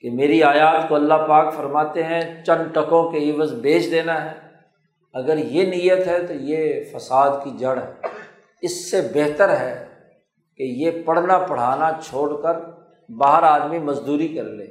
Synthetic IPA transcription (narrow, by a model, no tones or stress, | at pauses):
kemeːɾiaːjaːt̪koɐlːapaːkfɐɾmaːt̪eɦɛ̃t͡ʃɐ̃nʈɐkõkeɪʋəzbeːt͡ʃd̪eːnaɦɛː | ɐɡəɾjenijət̪ɦɛt̪ojefəsaːd̪kid͡ʒɐɽɦɛː | ɪsːebeɦt̪əɾɦɛː | kejepɐɽ̤napɐɽ̤aːnat͡ʃʰoːɽkəɾ | baːɦəɾaːd̪mimɐzd̪uːɾikɐɾlḛː